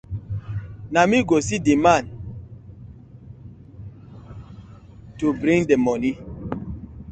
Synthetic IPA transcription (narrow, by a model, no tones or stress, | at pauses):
namiɡosidimãn | tubɾĩŋdemɔni